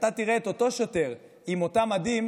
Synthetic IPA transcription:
t̪at̪iʁeet̪o̞to̞ʃote̞ʁ | imo̞tamad̪im

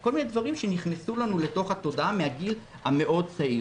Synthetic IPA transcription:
ko̞lmined̪vaʁimʃeniχnesulanule̞to̞χhat̪o̞daʔamehaɡil | hame̞ʔo̞d̚t͡sai

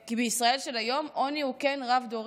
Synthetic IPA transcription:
kibeisʁae̞lʃe̞lajo̞mʔo̞niuke̞nʁavd̪oʁ

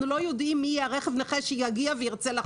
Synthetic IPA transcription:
nulo̞jod̪imːijɛaʁeχevneχeʃejaɡiavejiʁt͡sela

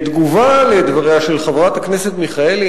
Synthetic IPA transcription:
t̪ɡuvaled̪vaʁeaʃelχavʁat̪hakne̞se̞t̪miχae̞l

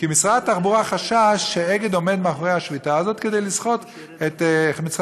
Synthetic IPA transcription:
kimisʁadat̪aχbuʁaχaʃaʃːeeɡed̪o̞me̞d̪meaχoʁejhaʃvitaazo̞t̪ked̪ejlisχo̞t̪ | et̪mit͡sʁ

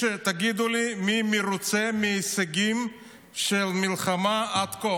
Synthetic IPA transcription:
et̪aɡid̪ulimimiɾut͡semiesaɡim | ʃelmilχamaad̪ko

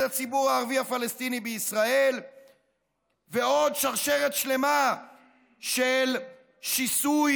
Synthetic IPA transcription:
at͡sibuʁaːʁvihafalest̪inibeisʁae̞l | veo̞d̪ʃaʁʃe̞ʁet̪ʃle̞ma | ʃel | ʃisuj

